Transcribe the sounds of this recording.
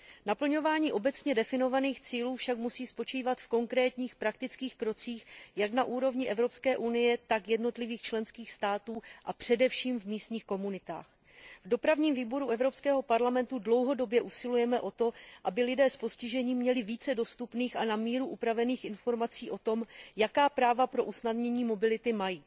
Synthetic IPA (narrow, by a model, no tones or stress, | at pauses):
napl̩ɲo̞vaːɲiːʔo̞bɛt͡sɲɛdɛfɪno̞vaniːxt͡siːluːfʃakmusiːspo̞t͡ʃiːvat̪fko̞ŋkɾɛːt̪ɲiːxpɾakt̪ɪt͡skiːxkɾo̞t͡siːxjaknaʔuːɾo̞vɲɪʔɛvɾo̞pskɛːʔunɪjɛt̪akjɛdno̞t̪lɪviːxt͡ʃlɛnskiːxst̪aːt̪uːʔapr̝̥ɛdɛfʃiːmvmiːst̪ɲiːxko̞munɪt̪a̰ːx | vdo̞pɾavɲiːmviːbo̞ɾuʔɛvɾo̞pskɛːɦo̞paɾlamɛnt̪udlo̞wɦo̞do̞bjɛʔusɪlujɛmɛʔo̞t̪oʔabɪlɪdɛːspo̞scɪʒɛɲiːmːɲɛlɪviːt͡sɛdost̪upniːxʔanamiːɾuʔupɾavɛniːxɪnfo̞ɾmat͡siːʔo̞t̪o̞mjakaːpɾaːvapɾo̞ʔusnadɲɛɲiːmo̞bɪlɪt̪ɪmajiː